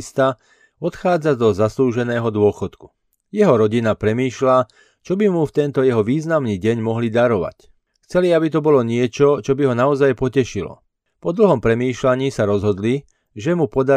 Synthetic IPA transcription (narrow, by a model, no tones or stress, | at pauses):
st̪a | ɔt̪xaːd͡zad̪ɔzasluːʒɛnɛːɦɔd̪ʊɔxɔt̪ku̥ | jɛɦɔɾɔɟinapɾɛmiːʃla | t͡ʃɔbimuft̪ɛnt̪ɔjɛɦɔʋiːznamniːɟɛɲmɔɦlid̪aɾɔʋa̰c | xt͡sɛliabit̪ɔbɔlɔɲɪɛt͡ʃɔt͡ʃɔbiɦɔnaɔzajpɔcɛʃilɔ̰ | pɔd̪l̩ɦɔmpɾɛmiːʃlaɲiːsaɾɔzɦɔd̪li | ʒɛmupɔd̪a